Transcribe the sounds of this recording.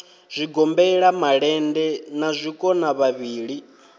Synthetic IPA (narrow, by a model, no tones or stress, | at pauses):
z̥ʷiɡɔmbɛɺamaɺɛndɛnazʷikʼɔnaβaβiːɺi